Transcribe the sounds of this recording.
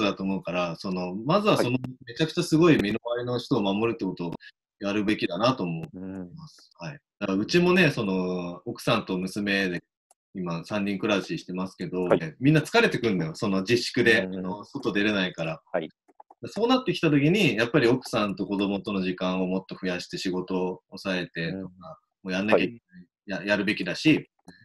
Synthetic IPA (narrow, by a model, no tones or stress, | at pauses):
d̪at̪o̞ːmo̞ɯ̟kaɾaso̞no̞mazɨβaso̞nome̞t͡ɕakɯ̟̥t͡ɕasɨɡo̞imʲinoβaɾʲino̞çi̥t̪o̞ːmamo̞ɾɯ̟t̪ːe̞ko̞t̪o̞ | jaɾɯ̟be̞kʲid̪anat̪o̞ːmo̞masɨ̥haid̪̥aɯ̟t͡ɕimo̞ne̞so̞no̞okɯ̟̥sãnt̪o̞mɯ̟sɨme̞d̪e̞ | imasãɲʲːĩŋkɯ̟ɾaɕiɕi̥t̪e̞masɨ̥ke̞d̪o̞emʲĩnːat͡sɨ̥kaɾe̞t̪e̞kɯ̟̃nd̪ojoso̞no̞d͡ʑiɕːi̥kɯ̟d̪e̞noso̞t̪o̞d̪e̞ɾe̞naikaɾa | d̪̥aso̞ːnat̪ːe̞kʲi̥t̪at̪o̞kʲiɲ̟ijapːaɾʲio̞kɯ̟̥sãnt̪o̞ko̞d̪o̞mo̞t̪o̞no̞ʑikãɰ̃o̞mo̞t̪ːo̞ɸɯ̟jaɕi̥t̪e̞ɕiɡo̞t̪o̞ːsae̞t̪e̞t̪oka | moːjanːakekinai | jajaɾɯ̟be̞kʲid̪aɕi